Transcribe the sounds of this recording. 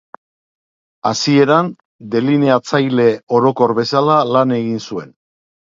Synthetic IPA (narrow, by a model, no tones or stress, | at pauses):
a̰sie̞ɾan | d̪e̞lineat͡sajle̞o̞ɾo̞ko̞ɾβe̞salalane̞ɣinsue̞n